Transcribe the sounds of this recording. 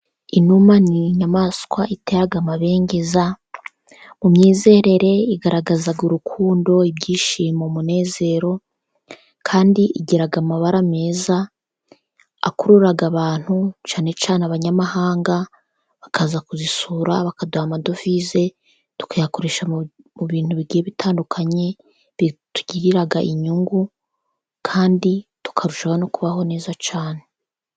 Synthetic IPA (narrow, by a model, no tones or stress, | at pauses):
inumaniɲamaskwaite̞ːɾaɡamaβe̞ːŋɡe̞za | mumɲiːze̞ɾe̞ɾe̞iɡaɾaɡazaɡuɾukʰuːndo̞ibɟiːʃimomune̞ːze̞ɾo̞ | kʰaːndiʔiɟeɾaɡamaβaɾame̞ːza | a̰kuɾuɾaɡaβaːn̥hut͡ʃaːne̞t͡ʃaːneaβaɲamahaːŋɡa | βakazakuzisuːɾaβakadwamado̞fize̞ | tu̥kajako̞ɾe̞ːʃamuβiːn̥huβiɡiːjeβitʰaːndukʰaɲe̞ | βitu̥ɟiɾiɾaɡaʔiɲuŋɡu | kʰaːnditu̥kʰaɾuʃaɡanokuβaɦo̞ne̞ːzat͡ʃaːne̞